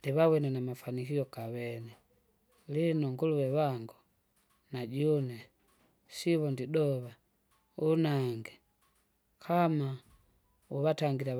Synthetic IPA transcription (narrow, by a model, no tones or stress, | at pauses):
ndiβawɛnɛnamafanikiɔkawɛnɛ | linɔŋɡuluwɛwaŋɡu | naɟɔnɛ | siβɔndidɔβa | unaŋɡɛ | kʰama | uβataŋɡila